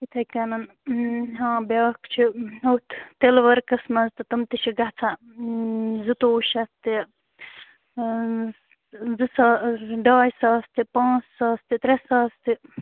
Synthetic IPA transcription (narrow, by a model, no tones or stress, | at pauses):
it̪ʰɐjkɐnɐn | ɦãːbjaːkt͡ʃʰiɐwt̪t̪elʋɐɾkɐsmɐzt̪ɨt̪ɐmt̪iʃʰiɡɐt͡sʰa | zɨt̪oːʃɐst̪i | zɨsaːɖaːjsaːst̪ipãːt͡ssaːst̪it̪ɾesaːst̪i